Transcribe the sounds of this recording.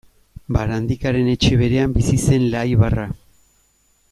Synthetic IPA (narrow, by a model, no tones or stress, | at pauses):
baɾand̪ikaɾe̞ne̞t͡ʃe̞βe̞ɾe̞ambisise̞nlajβara